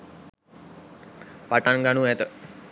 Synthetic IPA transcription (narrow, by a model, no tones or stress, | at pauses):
paʈanɡanuɛt̪ə